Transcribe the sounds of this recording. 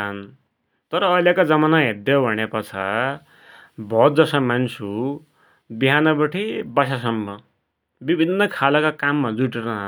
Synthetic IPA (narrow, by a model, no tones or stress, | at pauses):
ʌn | t̪ʌɾʌːjlekad͡zʌmanaɦed̪jʌbʱʌñepʌt͡sʰa̰ | bʱʌt̪̚d͡zʌsʌmansʰu | biɦanʌbʌʈʰibasas̬ʌmːʌ | bibʱinːʌkʰalakakamːad͡zuʈerʌɦ